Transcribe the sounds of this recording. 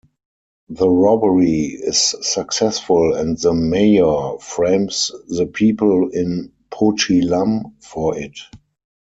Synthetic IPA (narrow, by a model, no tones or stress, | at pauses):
ðəɹɔbəɹiɪsːaksɛsfʊlɛ̃ntðəmeɪə˞fɹẽɪ̃msðəpʰiːpəlɪ̃n | pʰot͡ʃilãmfɔɪt